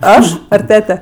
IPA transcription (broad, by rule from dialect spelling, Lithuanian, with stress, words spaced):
ˈɐʃ ɐr ˈtʲæːtʲɛ